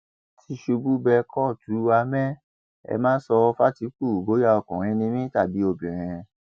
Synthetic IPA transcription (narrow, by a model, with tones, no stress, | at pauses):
tʰi˧ʃu˧bu˦bɛ˧kʰɔ˦˨tu˨˦wa˧mɛ̃˦ | ɛ̰˧mãː˦sɔ˧fa˦ti˨˦k͡pu˦˨ɡo˨˦ja˦ɔ˧kɔ̃˨ɾ̃ĩ˧˦˧nĩ˧mĩ˦ta˦˨bi˨˦o˧˨bĩ˨ɾ̃ĩ˧